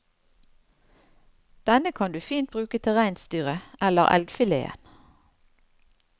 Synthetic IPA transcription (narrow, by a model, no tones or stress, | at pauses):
d̪̥ɛnəkʰɑnd̪ʉːfiːnt̪̚bʁʉːkət̪ʰɛʁæɪnst̪yːʁəʔɛləʁʔɛ̰lɡfɪlḛːə̰n